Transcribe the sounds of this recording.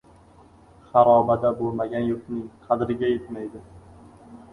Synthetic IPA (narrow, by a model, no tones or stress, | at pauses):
χɑɾɒbad̪abolˠmaɡʲanjoqnɪŋqʰɑd̪ɪɾɪɡʲajet̪majd̪ɪ